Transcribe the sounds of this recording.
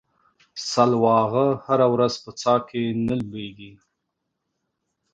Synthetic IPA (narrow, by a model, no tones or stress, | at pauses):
salwɑɣəhaɾawɾazpət͡sɑkenəlbeɡi